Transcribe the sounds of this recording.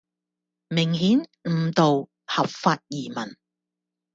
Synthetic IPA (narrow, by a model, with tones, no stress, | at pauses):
mɪ˨˩ŋɦiː˨˥nm̩˨˩t̪o˨w | hɐ˨p̚faː˧t̚jiː˨˩mɐ˨˩n